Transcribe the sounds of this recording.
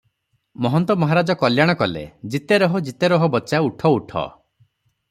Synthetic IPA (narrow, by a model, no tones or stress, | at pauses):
mɔɦɔnt̪ɔmɔɦaɾad͡ʒɔkɔljaɽ̃ɔkɔlḛd͡ʒit̪eɾɔɦɔd͡ʒit̪eɾɔɦɔbɔt͡ʃauʈʰɔuʈʰɔ̰